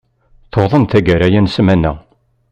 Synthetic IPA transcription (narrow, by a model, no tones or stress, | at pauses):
θoðˤənt̪æɡæɾæjænsmænːæ̰